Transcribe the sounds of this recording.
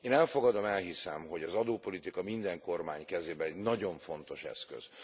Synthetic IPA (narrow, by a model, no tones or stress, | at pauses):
eːnɛlfo̞ɡɒd̪o̞mɛlɦisɛ̰mɦo̞ɟɒzɒd̪oːpo̞lit̪ikɒmind̪ɛŋko̞rmaːɲkɛzeːbɛnɛɟnɒɟo̞ɱfo̞nt̪o̞ʃɛ̰skø̰z̥